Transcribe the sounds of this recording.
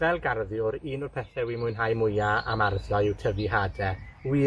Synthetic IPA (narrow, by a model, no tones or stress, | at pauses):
vɛlˠɡarðjʊɾiːnʊrpʰɛθɛwimʊjnɦajmʊjaa̰marðjɔɪwtʰəviɦaːdɛwi